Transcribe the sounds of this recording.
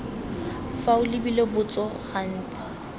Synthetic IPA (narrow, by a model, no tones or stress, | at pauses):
faʊlɪbilebʊt͡sʼɔχan̩ːt͡sʼɪ̥